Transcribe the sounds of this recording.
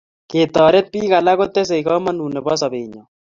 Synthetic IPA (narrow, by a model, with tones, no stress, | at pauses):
ke˨t̪ɔ˨ɾe˦t̪̚pi˦ɣa˨la˦ɣo˦t̪e˦s̬e˨i˨ɣɔ˦ma˦nu˨nɛ˨βɔ˦sa˨βe˨ɲɔ˨